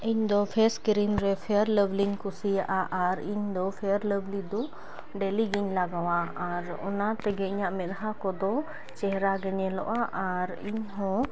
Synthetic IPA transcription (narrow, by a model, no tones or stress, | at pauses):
iɲd̪ɔpʰɛskɾimɾɛpʰɛɾləbliɲkusijaʔaʔaɾiɲd̪ɔpʰɛɾləblid̪ɔ | ɖɛliɡiɲlaɡawaaɾ | ɔ̰nat̪ɛɡɛiɲaʔmɛt̪ɦakɔd̪ɔ | t͡ʃɛɦɾaɡɛɲɛlɔ̰ʔaʔaɾḭɲɦɔ̃